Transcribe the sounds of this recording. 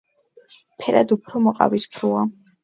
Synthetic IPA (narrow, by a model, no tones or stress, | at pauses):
pʰɛɾad̪upʰɾɔmɔqʼa̰vispʰɾua